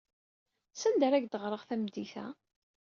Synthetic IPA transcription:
sænd̪əɾæɡd̪əʁɾˤəʁθæmd̪iθæ̰

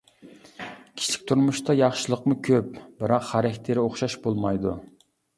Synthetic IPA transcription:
kʲʰi̥t͡ʃʰi̥kʲt̪ʰuɾmuʃt̪ʰɑjɑχʃɨlˠəqmʊkʲʰøp̚bɪɾɑqχæɾɛkʲt̪ʰɪɾɪoχʃɑʃbolˠmɑjd̪u

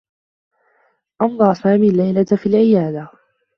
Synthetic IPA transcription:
ʔɑnd̪ˤɑːsaːmiːlːajlat̪afiːlʕɪjaːd̪a

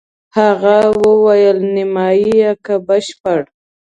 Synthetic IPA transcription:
haɣawəwajəlnɪmɑjijakabəʃpəɽ

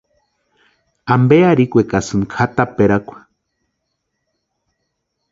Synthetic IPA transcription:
ambeaɾikʷekasɨnkʰat̪apeɾakʷḁ

